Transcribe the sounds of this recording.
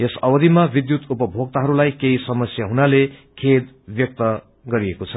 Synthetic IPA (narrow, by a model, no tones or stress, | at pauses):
esʌ̰wʌd̪ʱimabid̪jut̪upʌbʱoɡ̚t̪aɦʌɾulajkeisʌmʌsjaɦunalekʰed̪ | bjʌk̚t̪ʌ | ɡʌɾiekot͡sʰʌ